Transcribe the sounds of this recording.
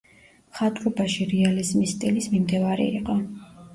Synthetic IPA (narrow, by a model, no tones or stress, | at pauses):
χat̪ʼɾɔbaʃiɾɛalizmist̪ʼilismimd̪ɛvaɾḭḭqʼɔ